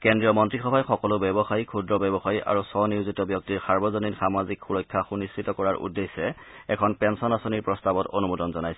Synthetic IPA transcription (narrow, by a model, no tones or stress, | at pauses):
kɛndɹijɔmɔntɹixɔbʱajxɔkɔlʊbɛbɔxajkʰudɹɔbɛbɔxajʔa̰ɹusɔniuzitɔbjɔk̚tiɹsaɹbɔzoninxamazikxuɹɔjkʰːaxunisɹitɔkɔɹaɹʔṵdːesɛ | ɛkʰɔnpɛnsɔnasoniɹpɹɔstabɔtonumudɔnzɔnajsɛ